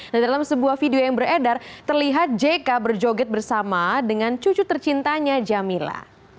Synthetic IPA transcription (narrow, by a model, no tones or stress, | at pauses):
didalamsəbuahfideojaŋbəredart̪ərliɦat̪̚d͡ʒekabərd͡ʒoɡɛt̪̚bərsamadəŋant͡ʃut͡ʃut̪ərt͡ʃint̪aɲad͡ʒamila̰